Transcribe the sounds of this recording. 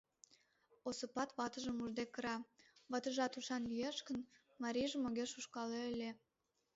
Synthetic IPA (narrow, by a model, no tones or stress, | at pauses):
osəpɑt̪βɑt̪əʒəmuʒd̪ekːəɾɑβɑt̪əʒɑt̪uʃɑnlijeʃkən | mɑɾʲiʒəmoɣeʃuʃkɑleelʲe